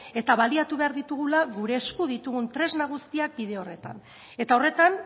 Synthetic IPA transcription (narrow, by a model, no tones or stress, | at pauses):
e̞t̪aβaliat̪uβe̞aɾðit̪uɣ̞ulaɣuɾe̞ːskuðit̪uɣ̞unt̪ɾe̞znaɣ̞ust̪iak̚biðe̞ore̞t̪a̰n | e̞t̪ao̞re̞t̪an